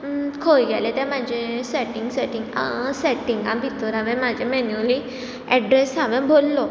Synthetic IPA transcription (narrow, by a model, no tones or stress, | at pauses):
kʰojɡalet̪ɛ̃mad͡ʑʱẽsɛʈiŋɡsɛʈĩŋɡsɛʈĩŋɡãbʱit̪ɔɾaʋɛ̃mad͡ʑʱɛmɛnuli | ɛɖɾɛsɦaʋɛ̃bʱolːɔ